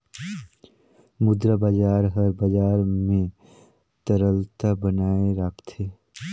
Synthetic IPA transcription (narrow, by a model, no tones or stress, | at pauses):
mʊd̪ɾabad͡ʒaːɾɦəɾbad͡ʒaːɾmẽ | t̪əɾəlt̪abənaːeɾakʰt̪ʰe